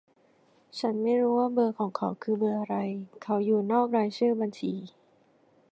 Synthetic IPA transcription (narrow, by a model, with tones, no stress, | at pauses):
t͡ɕʰa˦˥nma˥˩jɾuː˦˥waː˥˩bɤː˧kʰɔː˩˦ŋkʰa˨˦wkʰɯː˧bɤː˧ʔa˧ɾa˧jkʰa˨˦˥wjuː˨˩nɔː˥˩k̚ɾaː˧jsɯː˥˩ba˧nt͡ɕʰiː˨˦